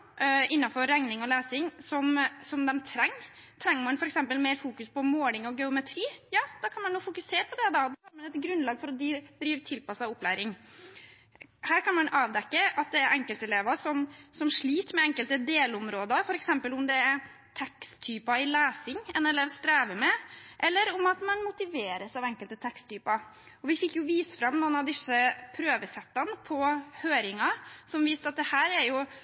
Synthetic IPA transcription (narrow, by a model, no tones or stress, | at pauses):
ɪnːɑfɔɾːɛŋnɪŋɔlæːsɪŋsɔmsɔmd̪ɛmt̪ʰɾɛŋːt̪ʰɾɛŋːəɾmɑnfɔɾɛksɛmpəlmeːɾfuːkʉspʰɔmoːlɪŋɔɡɛʊmɛt̪ʰɾiːjɑːd̪̥ɑkʰɑnmɑnːuːfʊkʉseːɾəpʰɔd̪ɛd̪ɑd̪ɑɑːɾmɑnɛt̪ɡɾʉnlɑːɡfɔɾɔd̪d̪ɾiːʋt̪ʰɪlpɑsɑʊplæːɾɪŋ | hæːɾkɑnmɑnɑːʋd̪ɛkːəʔɑt̪̚d̪ɛːɾʔɛŋkəlt̪ɛleːʋəʂɔmsɔmʂɭiːt̪mɛɛŋkəlt̪əd̪eːlʊmɾoːd̪əɾfɔɾɛksɛmpəlʊmd̪ɛæ | t̪ʰɛkstt̪ʰyːpɑɪlæːsɪŋɛnɛlɛʋst̪ɾæːʋəmɛʔɛlːəɾʊmɑt̪mɑnmʊt̪ɪʋeːɾəsɑʋɛŋkəlt̪ət̪ʰɛkst̪ʰyːpɑɾ | ɔʋɪfɪkːjʊʋiːsəfɾɑmːnuːnɑʋd̪ɪsəpʰɾøːʋəsɛt̪ːɑnəpʰɔhøːɾɪŋɑsɔmʋiːsɑt̪̚d̪ɛhæːɾɛɾjʊ